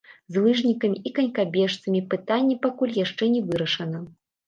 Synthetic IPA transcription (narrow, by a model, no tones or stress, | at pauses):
zlˠɨʐnʲikɐmʲiʔikɐnʲkabʲɛʂt̪sɐmʲipɨt̪anʲːɛpakulʲjaʂt͡ʂɛnʲɛvɨɾɐʂɐnɐ